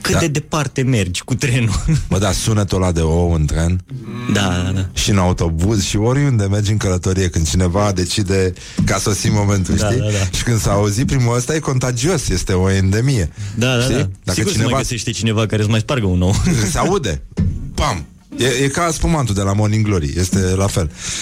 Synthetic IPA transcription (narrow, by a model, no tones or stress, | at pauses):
kɨt̪d̪ad̪ed̪e̞part̪e̞me̞rd͡ʒʲkut̪ɾenubəd̪asunət̪olad̪eowɨnt̪ɾend̪ad̪ad̪aʃiɨnaut̪o̞buzʃioɾjund̪e̞me̞rd͡ʒɨŋkələt̪o̞ɾijekɨnd̪̚t͡ʃine̞vad̪e̞t͡ʃid̪e̞ | kaso̞simo̞mẽ̞nt̪uʃt̪iad̪aʃi̥kɨnd̪saːuzit̪̚pɾimuəst̪aje̞ko̞nt̪ad͡ʒio̞sje̞st̪e̞o̞end̪e̞mije̞d̪ad̪ʃt̪id̪akət͡ʃinevaseʃt̪et͡ʃinevakaɾesmajspaɾɡəunowkɨnseaud̪e̞pam | jejekaspumant̪ud̪e̞lamo̞niŋɡlo̞ɾḭje̞st̪e̞lafe̞l